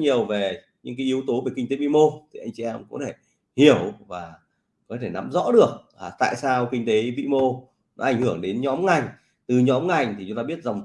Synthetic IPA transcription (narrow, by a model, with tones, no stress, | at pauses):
ɲi˨˩əwve˨˩ | ɲɨ̰˧˥ŋk̬aː˨˦jʔi˨˦əwt̪o˨˦ve˨˩ki˧ŋ̟t̪e˨˦vḭ˧˨mo˧t̪ʰi˨ʔa˧jŋ̟t͡ɕi˧˨ʔɛ˧mkɔ̰˧˥t̪ʰe˧˩ | hi˧˩əwvaː˨˩ | kɔ˨˦t̪ʰe˧˩na̰˧˥mzɔ̰˧˥ɗɨ˨˩ək̚ | aː˨˩t̪a̰ː˧˨jsaː˧wkï˧ŋ̟t̪e˨˦vḭ˧˨mo˧ | nɔ˨˦ʔa˧˩jŋ̟hɨ˧˩əŋɗe˨˦nɲɔ˨˦mŋa˨˩jŋ̟ | t̪ɨ˨˩ɲɔ˨˦mŋa˨˩jŋ̟t̪ʰi˨˩˨ʊ˨˦ŋ͡mt̪aː˧ɓi˦˥ət̚za˨˩wŋ͡m